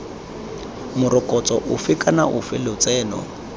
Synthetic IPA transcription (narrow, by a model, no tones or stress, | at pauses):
mʊrɔkʼɔt͡sʼɔʔʊfɪkʼanaʔʊfɪlɪt͡sɛːnɔ̰